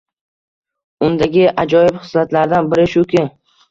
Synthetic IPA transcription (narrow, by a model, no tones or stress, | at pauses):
ʊnd̪aɡʲɪʔad͡ʒɒjɪbχɨ̥slat̪laɾd̪anbɪɾɪʃʊkʲɪ